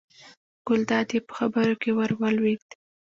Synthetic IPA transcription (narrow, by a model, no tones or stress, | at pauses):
ɡ̥ʊld̪ɑd̪jepə̥xabəɾokewaɾwalwid̪